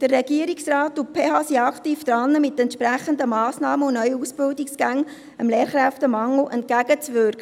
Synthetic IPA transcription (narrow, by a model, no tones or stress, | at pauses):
d̥ərːɛɡ̥iəɾiksrɑːtupʰeːhɑːsiɑkt̪iːfd̪̥ɾɑnːəmɪtɛntʃpɾæχəndəmɑːsnɑːməʊnnœʏəusb̥ɪldiksɡ̥æŋ | əmleːɾχɾæftəmɑŋl̩ʔɛnt̚kæɡət͡svʏɾkə